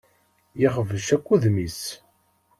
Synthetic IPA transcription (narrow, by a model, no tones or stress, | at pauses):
jɪχəvəʃækʷːuðmis